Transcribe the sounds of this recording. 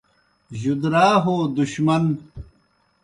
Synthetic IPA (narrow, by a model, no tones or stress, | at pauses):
ʑud̪ɾaːɦoːd̪uɕmɐn